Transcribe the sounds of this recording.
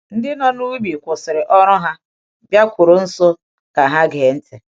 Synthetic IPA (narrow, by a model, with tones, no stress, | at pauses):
n̩˦dɪ˦nɔ˦nu˦bi˨kʷʊ˨sɪ˨ɾɪ˨ʔɔ˦ɾʊ˦ɦa˦ | bja˦kʷʊ˨ɾʊ˨n̩˦so˦ | ka˨ɦa˦ɡe˨n̩˦te˨